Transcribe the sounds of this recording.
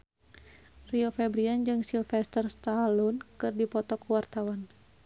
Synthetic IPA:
riɔfɛbɾiand͡ʒɨŋsilfɛst̪ərst̪alunkɨrdipɔt̪ɔkuwart̪awan

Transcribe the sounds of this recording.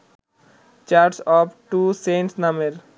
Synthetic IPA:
t͡ʃaɾʈsɔpʈusẽnʈsnʌmeɾ

